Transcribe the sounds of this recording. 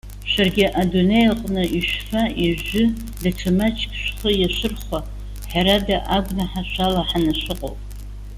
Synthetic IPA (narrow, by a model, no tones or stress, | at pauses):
ʃʷarɡʲɪʔadunejlqʼnɨʔiʃfaiʒʊ | daʈ͡ʂʰamat͡ʃʰkʲʼʃʷχəjaʃʷɨrχʷa | ħaɾadaʔaɡʷnaħaʃʷalaħanaʃʷɨqʼo̰wpʼ